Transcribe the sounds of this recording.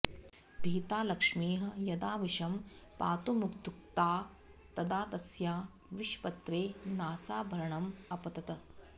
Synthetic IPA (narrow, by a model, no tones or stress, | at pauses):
bʱiːt̪aːlɐkʂmiːɦɐ̆jɐd̪aːʋiʃɐmpaːt̪umukt̪uk̚t̪aː | t̪ɐd̪aːt̪ɐsjaː | ʋiʃpɐt̪ɾeːnaːsaːbʱɐɾɐɳɐmɐpɐt̪ɐt̪ɐ